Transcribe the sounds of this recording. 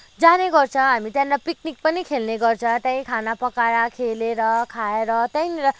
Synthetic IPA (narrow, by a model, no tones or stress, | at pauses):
d͡zaneɡʌrt͡sʰʌ̃ɦamit̪jãnlapik̚nik̚pʌnikʰelneɡʌrt͡sʰʌ̃t̪jãj̃kʰanapʌkaɾakʰeleɾʌkʰaeɾʌt̪jãjnɾʌ